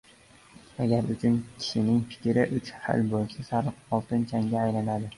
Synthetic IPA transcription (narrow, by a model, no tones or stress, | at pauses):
aɡʲaɾʊt͡ʃʰʊnkʲʰɪ̥ʃɪnɪŋfɪ̥kʲʰɾɪʔʊt͡ʃha̰lbolˠsasaɾqɒlˠt̪ɪnt͡ʃʰaŋɡʲaːjlanad̪ɪ